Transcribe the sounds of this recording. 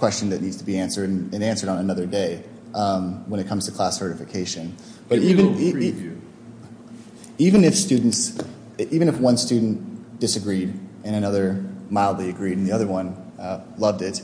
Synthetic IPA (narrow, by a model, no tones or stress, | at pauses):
kʰw̥ɛst͡ʃn̩ðɨtⁿnidz̥tʰəbiæ̃nsə˞ɾ̃nɨ̃næ̃nsə˞ɾdn̩ənʌðə˞deɪ | ʔʌ̃mwə̃nɨt̚kʰʌ̃mz̥tʰɨkʰl̥æsɜ˞ɾɨfɨkʰeɪʃɨ̃n | b̥ʌɾivɨ̃n | ivɨ̃nɨfstʉdⁿn̩ts | ʔivɨ̃nɨfwʌ̃nstʉdⁿn̩d̥ɨsɨɡɹiɾ | ɨ̃nɨnʌðə˞maɪlˠdˡliɨɡɹiɾn̩ðiʌðə˞wʌ̃nʌlʌvdɪt̚